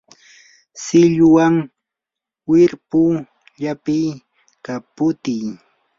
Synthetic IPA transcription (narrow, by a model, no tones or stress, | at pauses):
sɪʎʊwaŋ | wɪɾpʊ | ʎapɪj | kapʊt̪ɪj